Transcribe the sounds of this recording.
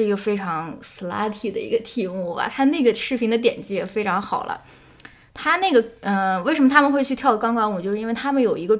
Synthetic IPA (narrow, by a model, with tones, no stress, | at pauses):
ɡə˧fe˥ɪʈ͡ʂʰɑ˧˥ŋs̩˧˩la̰˥t̪ʰi˨˩d̪ə̰˦ḭ˧˥ɡə˧t̪ʰi˧˥mu˥˩a̰˩t̪ʰa˥ne˥˩ɡə˩ʂɻ̩˥˩pʰi˧˥ŋd̪ə˧t̪jɛ̰˨˩nt͡ɕi˥jɛ˨˩fe˥ɪʈ͡ʂʰɑ˧˥ŋxɑ˨˩ʊlə̰˦ | t̪ʰa˥ne˥˩ɪɡə˩ə˧we˥˩ʂə˧˥mə˧t̪ʰa˥mə˨nxwe˥˧ɪt͡ɕʰy˥˧t̪ʰjɑ˥˩ʊkɑ˥ŋkɑ˥ŋwt͡ɕo˥˧ʂɻ̩˥˧i˥wɪt̪ʰa˥mə˨njo˨˩ʊi˧˥ɡə˧